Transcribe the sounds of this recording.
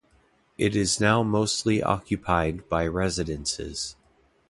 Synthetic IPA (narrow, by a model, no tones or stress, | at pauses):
ʔɪɾɪznaʊmoʊstʰˡliʔɑ̰kʰjɨpʰaɪd̚baɪɹɛzɨɾɨ̃nsɪ̰z̥